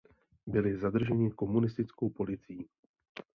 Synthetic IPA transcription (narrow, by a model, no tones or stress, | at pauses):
bɪlɪzadr̩ʒɛɲɪko̞munɪst̪ɪt͡sko̞wpo̞lɪt͡sɪiː